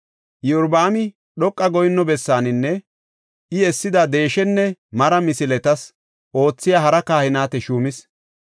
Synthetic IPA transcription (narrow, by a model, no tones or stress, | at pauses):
jʊɾbaːmɪ | ɗɔkʼːɐɡɔjɪnːɔbɛsːaːnɪnːɛ | ɪɛsːɪd̪ɐd̪e̞ːʃɛnːɛmɐɾɐmɪsɪlɛt̪ɐs | ʔo̞ːt͡sːɪjaːɦɐɾɐkaːhɪnaːt̪ɛʃuːmɪs